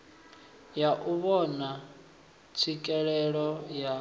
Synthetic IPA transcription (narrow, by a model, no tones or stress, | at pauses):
jaʔuβɔna | t͡sʰikʼɛɺɛɺɔja